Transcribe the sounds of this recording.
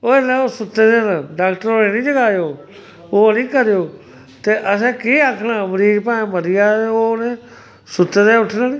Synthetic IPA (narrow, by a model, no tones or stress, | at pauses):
oːelẽːoːsʊt̪ːeːd̪eːnãːɖaːkʈəɾoːnẽːnĩːd͡ʒəɡaːjoː | oːnĩːkəɾjoː | t̪eːʔəs̬ɛ̃ːkiːaːkʰnaːmɾiːd͡ʒpãːẽːməɾɪjaːoːnẽː | sʊt̪ːeːd̪ẽːʊʈʰnãːnĩː